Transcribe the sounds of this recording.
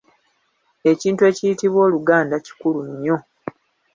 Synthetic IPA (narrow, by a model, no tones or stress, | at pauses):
e̞ciːntue̞ːcijitiβwo̞ːluɡaːndaci̥kuluɲːo̞